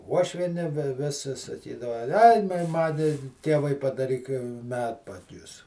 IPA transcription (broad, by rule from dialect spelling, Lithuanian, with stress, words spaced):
ˈuɔʃʲʋʲiɛnʲɪ ˈʋʲɪs sɐ sɐˈkʲiːdɐʋɐ ɐj ˈmɐn ˈtʲeːʋɐɪ pɐdɐˈrʲiːk ˈmʲæːtpɐdʲʊs